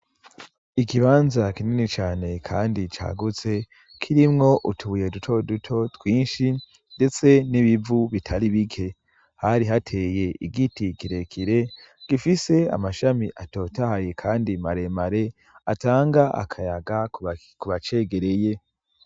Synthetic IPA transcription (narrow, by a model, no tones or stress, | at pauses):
ikiβaːnzakininit͡ʃaːne̞kʰaːndit͡ʃa̰ːɡut͡se̞ | kʰiɾimŋo̞ʔutʰuβuje̞dutʰo̞dutʰo̞twiːnʃi | nde̞t͡se̞niβivuβitʰaɾiβikʰe̞ | haɾiɦatʰe̞ːje̞ʔḭɡitikiɾe̞kʰiɾe̞ | ɡ̥ifise̞a̰maʃamiʔato̞tahajekʰaːndimaɾe̞maɾe̞ | a̰taːŋɡaʔa̰kʰajaɡa | kuβat͡ʃe̞ɡe̞ɾe̞je̞